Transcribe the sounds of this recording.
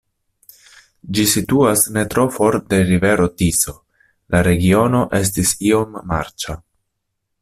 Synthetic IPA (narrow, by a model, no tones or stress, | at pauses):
d͡ʒisituasne̞tɾo̞fo̞ɾde̞ɾive̞ɾo̞tiso̞ | laɾe̞ɡio̞no̞ʔe̞s̬tisio̞mːa̰ɾt͡ʃa